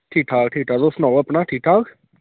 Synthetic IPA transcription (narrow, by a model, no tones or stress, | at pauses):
ʈʰiːk̚ʈʰaːk̚ʈʰiːk̚ʈʰaːd̪osnɔːəpnaːʈʰiːk̚ʈʰaːk